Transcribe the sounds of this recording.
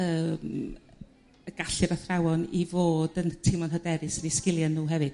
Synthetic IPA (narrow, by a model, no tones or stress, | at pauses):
əːm | əɡ̥aɬɨɾaθrawɔnivoːdəntʰɪmɔnɦədɛɾɨsəniskɪlˠjanːuːɦɛvɨd̥